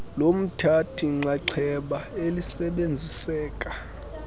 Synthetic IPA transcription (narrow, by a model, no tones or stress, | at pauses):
lom̩tʰatʰiŋ͡ǀaǀʰɛɓaelisɛɓend͡zʱisɛːkʼḁ